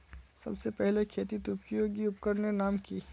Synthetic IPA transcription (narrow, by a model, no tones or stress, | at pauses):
sɐ̰bsepɛɦlekʰeːt̪it̪uːkijoɡiʊpkəɾnenaːmkiː